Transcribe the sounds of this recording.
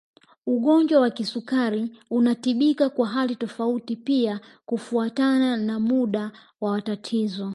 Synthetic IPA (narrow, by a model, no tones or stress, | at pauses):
uɠɔɲd͡ʒwawakisukaɾiunatiɓikakwaɦalitɔfautipiakufuatananamuɗa | wawatatʰizɔ